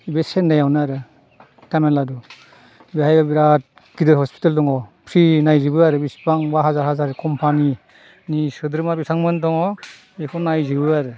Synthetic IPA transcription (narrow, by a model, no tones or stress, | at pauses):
ibesenːajawnɯaɾɯ | tamenladu | ibehajbabiɾat̚ | ɡ̥idɯɾhɔspʰi̥taldɔŋɔpʰɾinajzibɯaɾɯbispaŋbaɦazaɾɦazaɾkʰɔmpʰani | nisɯdɯɾmabisʰaŋmɯndɔŋɔ | ekʰɔnajzibɯaɾɯ